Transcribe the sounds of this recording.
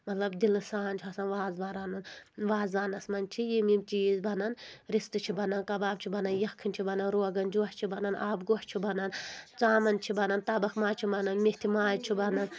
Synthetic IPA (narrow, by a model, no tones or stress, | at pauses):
mɐt̪ʰlɐbd̪ilɨsaːnʲt͡ʃʰɐsɐnʋaːzbaːɾanunʋaːzaːnɐsmɐnt͡ʃʰijimimt͡ʃiːzbɐnɐnɾist̪ɨt͡ʃʰibɐnɐnkɐbaːbt͡ʃʰibɐnɐnjɐkʰːinʲt͡ʃʰibɐnɐnɾoːɡɐnd͡ʒuʃt͡ʃʰibɐnɐna̰ːbɡoht͡ʃʰibɐnɐnt͡saːmɐnt͡ʃʰibɐnɐnt̪ɐbɐkmaːt͡ʃʰibɐnɐnmiht̪ʰimaːd͡ʒt͡ʃʰibɐnɐn